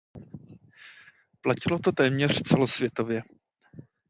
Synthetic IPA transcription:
placɪlo̞t̪o̞t̪ɛːmɲɛr̥t͡sɛlo̞svjɛt̪o̞vjɛ

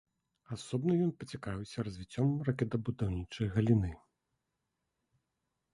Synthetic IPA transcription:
asɔbnɐjɔnpɐt͡sʲakavʲiwsʲɐɾɐzʲvʲit͡sʲːɔmrakʲɛt̪ɐbud̪awnʲit͡ʂɐjɣɐlʲinɨ

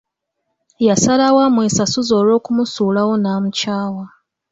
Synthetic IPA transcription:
jasalawamwe̞ːsasuzo̞ːlo̞ːkumusuːlawo̞naːmucaːwa

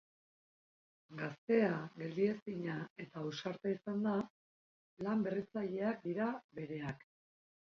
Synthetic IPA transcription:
ɡast̪e̞aɣe̞ld̪ie̞siɲae̞t̪ausaɾt̪eisand̪a | lambe̞rit͡saʎe̞ak̚d̪iɾabe̞ɾe̞ak

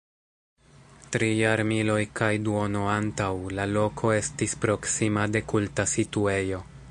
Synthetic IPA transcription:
tɾijaɾmilo̞jkajduono̞antawlalo̞kʰo̞e̞stispɾo̞ksimade̞kultasitue̞jo̞

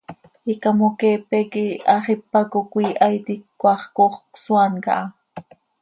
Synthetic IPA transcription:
ikamokeːpekiʔɑχipːɑkokʷiːʔɑjt̪ikːʷɑχkoːχkʷsuɑnkɑ̰ʔɑ

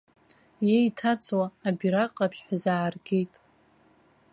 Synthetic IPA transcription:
jejtʰat͡sʰʼwaːbiɾaqʼapʰʃħazaːrɡʲe̞jtʼ

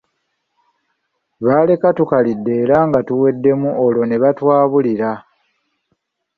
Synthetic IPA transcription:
βaːle̞katukalidːe̞ːɾaŋɡatuwe̞dːe̞muolo̞ne̞βatwaːβuliɾa

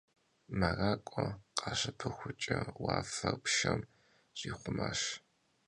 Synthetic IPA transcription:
maraːkʷʼɔqɑʃɕɨpʰɨxʷʊt͡ʃʼɐwaːfɐrpʃɐm | ɕiːχʷʊmaɕ

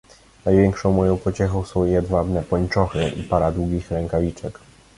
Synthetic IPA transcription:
najvʲjɛŋkʂɔ̃w̃mɔjɔ̃w̃pɔt͡ɕɛxɔ̃w̃sɔ̃w̃jɛd̪vad̪nɛpɔɲt͡ʂɔxɘʔḭpaɾad̪wuɡʲixɾɛŋkavʲit͡ʂɛk

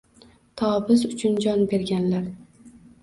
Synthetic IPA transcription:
t̪ʰɒbɪzʊt͡ʃʰʊnd͡ʒɒnbe̞ɾɡʲanlaɾ

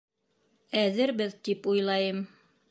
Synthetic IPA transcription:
æðɘɾbɘðt̪ipujlˠɑjɤm

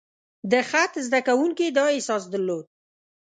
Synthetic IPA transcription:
d̪əxat̪zd̪akawuŋkid̪ɑesɑs̬d̪əɾlːod̪̚

